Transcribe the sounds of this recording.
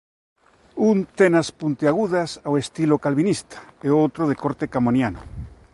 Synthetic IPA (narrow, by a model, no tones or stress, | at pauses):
unt̪enaspunt̪eaɣuðasawest̪ilokalβinist̪ḁeowt̪ɾoðekoɾt̪ekamonjano̰